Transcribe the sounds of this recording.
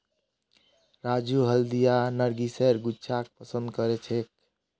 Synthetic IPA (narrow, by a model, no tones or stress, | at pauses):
ɾad͡ʒuɦəld̪ijanəɾɡisɛɾɡut͡ʃʰak̚pəsə̃nd̪̚kəɾet͡ʃʰek̚